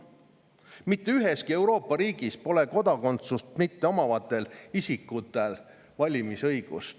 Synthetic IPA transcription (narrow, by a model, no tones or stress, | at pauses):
mit̪ːeyɦe̞skie̞wɾo̞ːpːˑɑɾiːɡ̥ispo̞leko̞d̪̥ɑko̞nt̪sust̪mit̪ːe̞o̞mɑvɑt̪ːˑe̞lisʲikːˑut̪ːˑe̞l | vɑlʲimisɤjɡ̥ṵst̪